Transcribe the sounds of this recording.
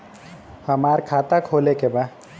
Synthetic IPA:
həmaːɾkʰaːt̪akʰoːlekebaː

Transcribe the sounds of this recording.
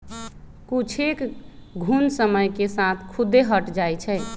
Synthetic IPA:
kut͡ʃʰekɡʱunsəməjkesat̪ʰkʰud̪eɦəʈd͡ʒajt͡ʃʰɛ

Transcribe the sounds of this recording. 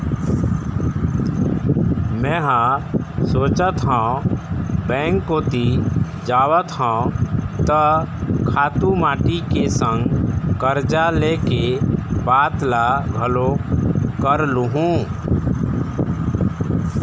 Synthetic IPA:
mɛ̃ːɦãsoːt͡ʃət̪ɦɔ̃ː | bɛ̃ŋkːoːt̪i | d͡ʒaːwət̪ɦɔ̃t̪əkʰaːt̪umaːʈikesə̃ŋɡkəɾd͡ʒalekebaːt̪laɡʱəlokəɾluɦũ

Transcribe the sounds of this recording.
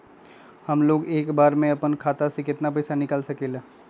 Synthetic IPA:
hɐmloːɡeːkbaːɾmẽɐpənkʰaːt̪asekɪt̪napɐɪsanɪkəlsɐkeːlaː

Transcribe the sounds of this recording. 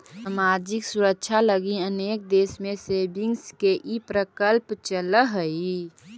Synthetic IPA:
samaːd͡ʒɪksʊɾəkːʃʰaləɡiəneːk̚d̪eːsmẽsebɪŋɡskeʔipɾəkəlpt͡ʃələɦəi

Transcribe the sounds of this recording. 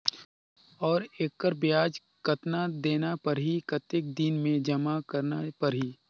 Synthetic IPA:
ɔːɾeːkkəɾbjaːd͡ʒ | kɐt̪nad̪eːnapɐɾɦikɐt̪ɪk̚d̪inmẽd͡ʒɐmakɐɾnapɐɾɦiː

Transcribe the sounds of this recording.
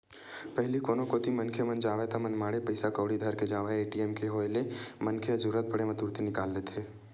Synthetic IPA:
pɛɦlikoːnõkoːt̪imɐnkʰemɐnd͡ʒaːʋet̪amɐnmaːɽepɐɪsakəːɽid̪ʱɐɾked͡ʒaːʋaeeːʈiɛːmkeɦoːelemɐnkʰeɐd͡ʒuɾət̪̚pɐɽemɐt̪uːɾt̪inɪkaːlːet̪ʰeː

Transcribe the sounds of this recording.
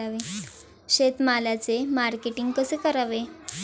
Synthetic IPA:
aʋe | ɕet̪malat͡semaɾkeʈiŋɡkəsekəɾaʋe

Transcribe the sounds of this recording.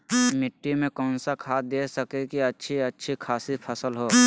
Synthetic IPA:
mɪʈːimẽkɔːnsakʰaːd̪eːsəkekiɐtːʃʰiɐtːʃʰikʰaːsipʰəsəlɦoː

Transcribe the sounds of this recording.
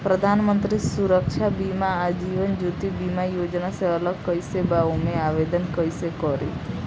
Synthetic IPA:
pɾəd̪ʱaːnmənt̪ɾisuɾəkʃʰabimaːd͡ʒiʋənd͡ʒut̪ibimajoːd͡ʒnaseələɡkəjsebaumeaʋed̪ənkəjsekɔɾḭt̪ʰ

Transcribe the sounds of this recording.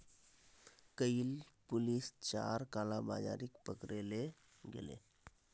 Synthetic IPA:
kəilpʊlist͡ʃa̰ːɾkaːlaba̰ːd͡ʒa̰ːɾɪkpəkɾele | ɡḛlḛ

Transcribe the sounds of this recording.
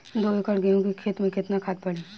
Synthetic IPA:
d̪oːekəɽɡəjũkikʰet̪mẽkɪt̪nakʰaːt̪̚pɐɽiː

